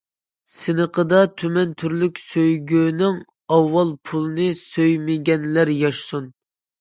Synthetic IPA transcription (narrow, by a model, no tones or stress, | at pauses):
sɨnəqʰəd̪ɑt̪ʰymɛnt̪ʰyɾlykʲsøjɡʲønɪŋ | ɑwːɑlˠpʰulˠɨnɨsøjmɪɡʲɛnlæɾjɑʃsun